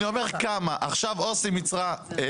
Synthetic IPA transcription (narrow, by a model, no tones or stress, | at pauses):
iomeʁkamaʔaχʃavosimit͡sʁa